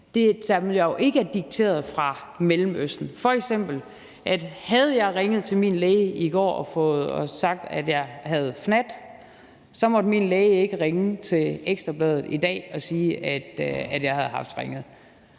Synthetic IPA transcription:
d̥e̝d̥æʋiljɑjo̝ʔe̝ɡ̥əæɐd̥iɡ̥̚t͡sʰe̝̰ːɐð̩ˠfʁɑ̈melm̩øsd̥n̩fɒ̽eɡ̥sem̰b̥l̩ | ʔæd̥hæð̞̩ˠjɑ̈ɪʁeŋəð̩ˠt͡sʰe̝lmiːnleɪəiɡ̥ɒ̰ːɒfɔ̽ːð̩ˠɒsɑ̈ɡ̥̚d̥æd̥jɑ̈ɪɦæð̞̩ˠfnæd̥ | sɒ̽mɒ̽d̥minleːɪe̝ɡ̥əʁeŋət͡sʰe̝leɡ̥sd̥ʁɐb̥lɛːð̞ˠð̩ˠid̥ɛ̰ːɒ̽siːʔæd̥æd̥jɑ̈ɪhæð̞̩ˠɦɑ̈fd̥ʁeŋð̞̩ˠ

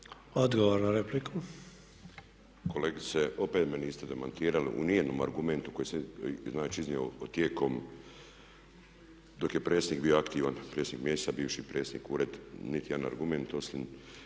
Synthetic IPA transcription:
od̪ɡoʋoɾnaɾeplikʰu | ko̞leːɡit̪seo̞pet̪meniːst̪e̞d̪e̞mant̪iːɾalḭʔṵneːnoːma̰ɾɡument̪u̥ko̞jeseznaːt͡ʃiiznioot̪jeko̞m | d̪o̞kje̞pɾeːsniːk̚biːoakt̪iːʋanpɾeːsniːkmjest̪abiːʋʃipɾeːsnḭːkuːɾe̞d̪nit̪ijed̪ana̰ɾɡume̞nt̪o̞slim

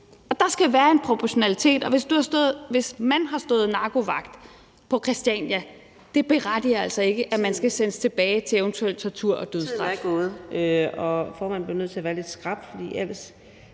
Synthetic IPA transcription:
ɒ̽d̥ɑ̈sɡ̥æʋæːɐe̝npʰʁo̝pʰɒɕo̝nælit͡sʰe̝̰ːd̥ɒ̽ʋe̝sd̥uhɑ̈sd̥ɔðˠʋe̝smænɦɑ̈sd̥ɔ̰ːð̩ˠnɑ̈ːɡ̥o̝ʋɑ̈ɡ̥d̥ | pʰɒ̽kʰʁɛsd̥iænjæ | d̥e̝b̥e̝ʁad̥iɐælsɒ̽e̝ɡ̥əʔæmænsɡ̥æsenəst͡sʰe̝b̥ɛːɪt͡sʰe̝eʊnt͡sʰuel̰t͡sʰɒt͡sʰuɐ̰ʔɒ̽d̥øðˠsd̥ʁɑ̈fɡ̥oð̩ˠøɒ̽fɒːmænb̥linøð̰ˠt͡sʰe̝ɐʋæːɐle̝d̥sɡ̥ʁɑ̈b̥fɒd̥ḭːel̰əs

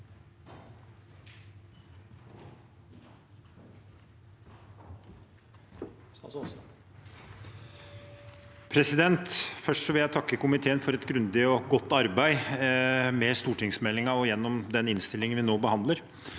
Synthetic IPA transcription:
pʰɾɛsɪd̪ɛnt̪fœʂʈsɔʋɪljæɪt̪ʰɑkːəkʊmɪt̪ʰeːənfɔɾɛt̪ɡɾʉnd̪ɪɔɡɔt̪ːɑɾbæɪ | mɛst̪uːʈɪŋsmɛlːɪŋɑɔjɛnːɔmd̪ɛnɪnst̪ɪlːɪŋənʋɪnoːbəhɑnd̪ləɾ

